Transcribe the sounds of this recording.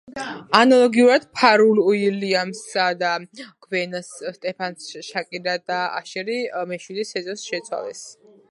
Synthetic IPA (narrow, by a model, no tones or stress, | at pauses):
analˠɔɡiuɾad̪̥pʰaɾuluiliamsad̪akʰwɛnasst̪ʼɛpʰansʃakʼiɾad̪aa̰ʃɛɾimɛʃwid̪isɛzɔsʃɛt̪sʰwa̰lɛ̰s